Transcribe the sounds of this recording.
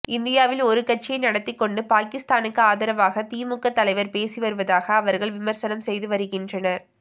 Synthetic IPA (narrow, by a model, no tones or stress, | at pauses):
ɪnd̪ɪjaːʋɪlɔɾɯkɐʈ̚t͡ʃːɪjɐɪnɐɽɐt̪ːɪkːɔɳɖɯpaːkɪst̪aːnɯkːɯaːðɐɾɐʋaːɣɐt̪iːmʊkːɐt̪ːɐlɐɪʋɐɾpeːsiʋɐɾɯʋɐðaːɣɐːʋɐɾɣɐɭʋɪmɐɾsɐnɐmsɛjðɯʋɐɾɯɣɪndrɐnɐɾ